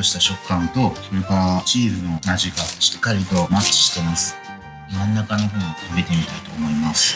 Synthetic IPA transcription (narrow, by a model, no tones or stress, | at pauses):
oɕi̥t̪aɕo̞kːãnt̪o̞so̞ɾe̞kaɾat͡ɕiːzɨno̞naʑiɡaɕi̥kːaɾʲit̪o̞mat͡ɕːi̥ɕi̥t̪e̞masɨ̥ | mãnːakano̞ɦõːɲikɯbe̞t̪e̞mʲit̪ait̪o̞ːmo̞imasɨ̥